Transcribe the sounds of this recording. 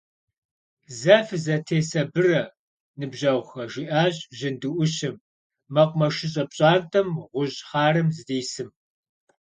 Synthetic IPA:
zɐfɨzɐtʰeːsɐbɨrɐ | nɨbʑɐwxɐʒiʔaːʑʼʑɪndɨʔʷʊɕɪmː | ɐqʷʼmɐʃɪɕ̬ʼɐpɕʼaːntʰʼɐmʁʷʊʑχɑːrɨmzɨdeːsɨm

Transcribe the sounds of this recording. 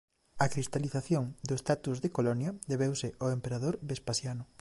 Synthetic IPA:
ɐkɾist̪aliθaθjoŋd̪ʊest̪at̪uzðekolɔnjɐd̪eβewsɪʔoempeɾaðoɾbespasjanʊ

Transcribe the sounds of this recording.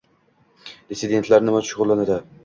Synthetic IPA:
d̪ɪsɪd̪e̞nt̪ʰlaɾnɪmaʃʊʁʊlˠːanad̪ɪ

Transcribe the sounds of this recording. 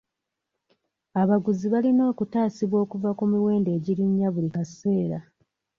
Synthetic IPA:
aβaɡuziβalino̞ːkutaːsiβwo̞ːkuvakumiwe̞ːnde̞ːɟiɾiɲːaβulikase̞ːɾa

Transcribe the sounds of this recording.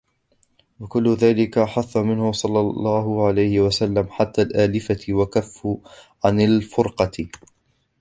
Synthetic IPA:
wakʊlːʊðaːlɪkaħaθːamɪnhʊsˤɑlːɑːɑːɦʊʕalajhɪwasalːamħat̪ːaːlʔaːlɪfawakafːʊ | ʕanalfʊɾqɑ

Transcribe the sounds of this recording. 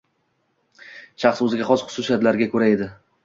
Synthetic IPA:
ʃɑχsɵzɪɡʲaχɒsχʊ̥sʊsijat̪laɾɡʲakʰɵɾae̞d̪ɪ

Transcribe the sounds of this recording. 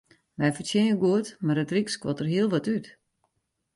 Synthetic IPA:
ʋɛjfərtjɪnəɡuətmarətrikskʋɔtərɦiəlˠʋɔtyt

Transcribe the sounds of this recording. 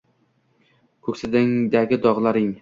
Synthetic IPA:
kʰɵkʲsɪd̪ɪŋd̪aɡʲɪd̪ɒʁlˠaɾɪŋ

